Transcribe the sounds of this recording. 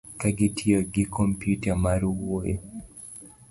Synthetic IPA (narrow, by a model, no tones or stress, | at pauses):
kaɡɪtʰioɡɪkʰompjutamaɾuwoe